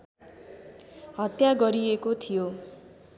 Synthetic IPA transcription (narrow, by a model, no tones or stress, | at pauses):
ɦʌt̪jaɡʌɾiekot̪ʰijo